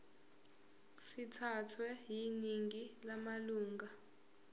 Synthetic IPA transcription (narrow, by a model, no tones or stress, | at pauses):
sitʰatʰwɛjiniŋilamaluːŋɡa